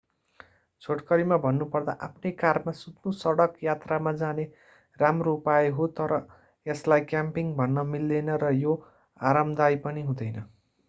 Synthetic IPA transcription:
t͡sʰoʈkʌɾimabʱʌnːupʌrd̪a̰ʔapʰnejkarmasut̪nusʌɽʌkjat̪ramad͡zane | ramroupajeɦot̪ʌɾʌ | eslajkjampiŋbʱʌnːʌmilːenʌɾʌjo | aɾʌmd̪ajpʌniɦũd̪ʌjnʌ

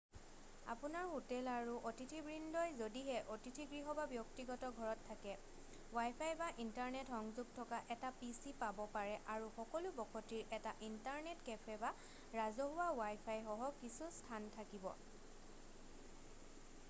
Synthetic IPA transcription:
a̰pʊnaɹxutɛlaɹuʔotitʰibɹindɔjzodiɦɛʔotitʰiɡɹiɦɔbabjɔktiɡɔtɔɡʱɔɹɔtʰːakɛ | wajpʰajbaʔintaɹnɛtɔŋzuɡ̚tʰɔkaʔɛtapisipabɔpaɹɛʔaɹuxɔkɔlʊbɔkʰɔtiɹʔɛtaʔintaɹnetkɛpʰɛba | ɹazɔɦʊwawajpʰajxɔɦɔkisustʰantʰakibɔ̰

